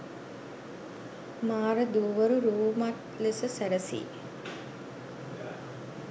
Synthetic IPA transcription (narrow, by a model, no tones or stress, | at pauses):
maːɾəd̪uːʋəɾuɾuːmaʈ | lesəsæɾəsḭː